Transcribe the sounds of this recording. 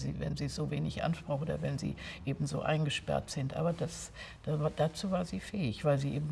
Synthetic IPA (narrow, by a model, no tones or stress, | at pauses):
zḭːvɛ̰nziːz̥oːveːnɪçʔa̰nʃpʁ̥ʊxʔoːdɐ̰vɛnzḭːʔeːbm̩zo̰ːʔa̰ɪnɡəʃpɛ̰ɐtz̥ɪntʔa̰ːbɐdas | d̥avaːd̥at͡suːvaːɐziːfɛːɪçv̥aɪlziːʔeːbm̩